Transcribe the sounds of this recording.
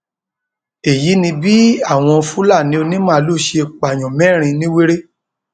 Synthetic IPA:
e˨ji˨˦nĩ˧bi˦a˦˨w̃ɔ̃˧fu˦la˦˨nĩ˦o˧nĩ˦mã˦˧˦lu˦˨ʃe˧k͡pa˨j̃ɔ̃˨mɛ̃˦˨ɾ̃ĩ˧nĩ˦we˦ɾe˦

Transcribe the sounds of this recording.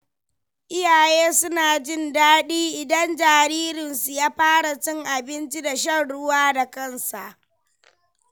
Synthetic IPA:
ʔɪ˦jaː˨jeː˦sʊ˦naː˨d͡ʒɪ˦ndaː˦ɗiː˦ʔɪ˨dɐ˦nd͡ʒaː˨ɾiː˦ɾɪ˨nsu˨jaː˦ɸaː˦ɽa˨t͡ʃɪ˦ŋʔa˨bɪ˦nt͡ʃi˦da˨ʃ̬ɐ˦rɽʊ˦waː˦da˨kɐ˦˨nsa˨ʔ

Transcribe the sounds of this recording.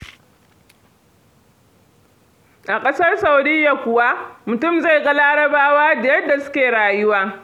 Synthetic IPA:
ʔa˨kʼɐ˦sɐ˦rsa˨wdɪ˦jːa˨kʷʊ˨wa˦mʊ˨tʊ˦˨mza˦˨jɡɐ˦laː˦ɽɐ˦baː˦waː˦da˨jɐ˦dːa˨sʊ̥˦kʲeː˨ɽaː˨jʊ˦waː˦

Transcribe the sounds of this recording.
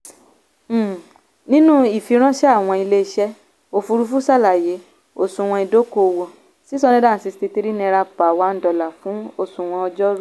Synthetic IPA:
nĩ˦nũ˦i˦˨fi˧ɾ̃ã˦ʃɛ˦a˦˨w̃ɔ̃˧i˧le˦˧ʃɛ˦ | o˦˧fu˧ɾu˧fu˦sa˦˨la˨je˨˦ | o˦˨sũ˧w̃ɔ̃˧i˧do˦ko˧wo˧ | si˦sɔ˧nĩ˦da˦˨n̩˨˦si˧sti˧ti˧ɾi˦nĩ˧ɾa˧pa˨wa˨˦n̩˦dɔ˧la˨fũ˨˦o˧˨sũ˧w̃ɔ̃˧ɔ˧d͡ʒɔ˦ɾu˦

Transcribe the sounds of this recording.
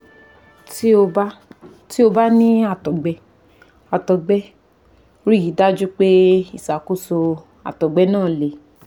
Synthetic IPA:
to˧ba˦ | ti˦o˧ba˦nĩ˦a˦˨tɔ˨ɡ͡bɛ˧˦ | a˨tɔ˨ɡ͡bɛ˦ | ɾi˦˨i˨˦da˦d͡ʒu˦k͡pe˦i˨sa˨ko˦so˧ | a̰˨tɔ˨ɡ͡bɛ˨˦nãː˦˨le˨

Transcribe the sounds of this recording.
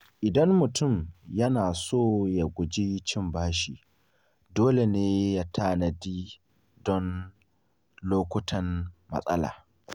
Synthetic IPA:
ʔɪ˨dɐ˦nmʊ˨tʊ˦˨mjɐ˦naː˨soː˦˨ja˨ɡʷʊ˨d͡ʒi˦t͡ʃɪ˦mbaː˦ʃi˨ | doː˦le˨neː˦ja˦tʰaː˦˨na˨diː˦ | dɔ˦n | loː˦kʷʊ˦tʰɐ˦nmɐ̰˨sʼɐ̰˦la̰ː˨

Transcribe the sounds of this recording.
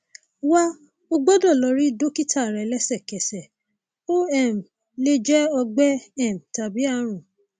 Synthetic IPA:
wa˦ | o˧ɡ͡bɔ˦dɔ˦˨lɔ˧ɾi˦do˦ki˦tʰa˦˨ɾɛ˨lɛ˦sɛ˦˨kɛ˨sɛ˨ | o˦ɛ˦˨m | le˦d͡ʒɛ˦ɔ˧ɡ͡bɛ˦ɛ˦˨m˨ta˨bi˨˦a˦˨ɾ̃ũ˨

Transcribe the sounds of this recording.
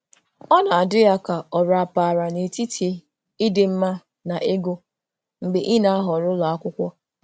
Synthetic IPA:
ɔ˦na˨a˨dʊ˦ja˦ka˨ɔ˨ɾa˨pa˨ɾa˨ne˨ti˦tʰi˨˦ | i˦dɪ˨m̩˦ma˦ | na˨ʔe˦ɡo˦ | ŋ͡m̩˨ɡ͡be˨ʔi˦na˨a˦ɦɔ˨ɾʊ˦la˨a˦kʷʊ˦kʷɔ˦

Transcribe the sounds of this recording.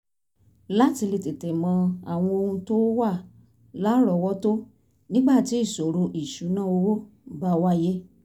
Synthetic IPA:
la˦˨ti˧le˨te˨te˨mɔ̃˧a˨w̃ɔ̃˧o˧hũ˧to˦wa˦˨ | la˦ɾɔ˧˨wɔ˦to˦ | nĩ˦ɡ͡ba˦˨ti˨˦i˦˨so˨ɾo˧ʔi˨ʃu˨˦nãː˦o˧wo˦ | ba˧wa˦je˦

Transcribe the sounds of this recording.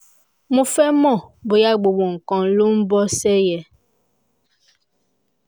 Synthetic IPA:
mũ˦fɛ˦mɔ˦˨bo˨ja˦˨ɡ͡bo˨bo˨ŋ̩˨kɔ̃˨n˨lu˦m̩˦bɔ˦sɛ˦jɛ˨

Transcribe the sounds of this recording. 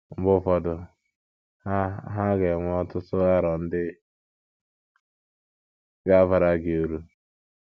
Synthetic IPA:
m̩˦bʊ˦fɔ˨dʊ˨˦ | ɦa˦ɡe˨ŋʷ˦ɔ˦tʊ˦tʊ˦a˦ɾɔ˨n̩˦dɪ˦ | ɡa˦va˨ɾa˦ɡe˨u˨ɾu˦

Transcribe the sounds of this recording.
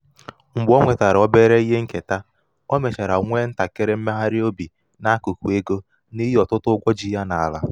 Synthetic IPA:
ŋ͡m̩˨ɡ͡bɔ˦ŋʷe˨ta˨ɾɔ˦be˦ɾe˦i˦ɦe˦ŋ̩˦ke˨ta˦ | ɔ˦me˨t͡ʃe˨ɾa˨ŋʷe˦n̩˦ta˨ke˦ɾe˦m̩˦me˦ɦa˦ɾɪ˦o˦bi˨ | na˦ku˨kʷu˨e˦ɡo˦ | ni˦ɦi˦ɔ˨tʊ˦tʊ˦ɡʷɔ˦d͡ʒi˦ja˦na˨a˨la̰˦

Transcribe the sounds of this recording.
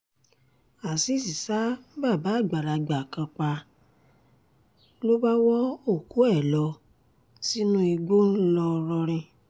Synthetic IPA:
a˨si˦˨si˨sa˦ba˦˨ba˨˦˨ɡ͡ba˨ɾa˨ɡ͡ba˨kã˧k͡pa˧ | lo˦ba˦wɔ˦o˦˨ku˨˦ɛ˦˨lɔ˧˦ | si˦nũ˦i˧ɡ͡bo˦lɔ˧ɾɔ˧ɾ̃ĩ˧

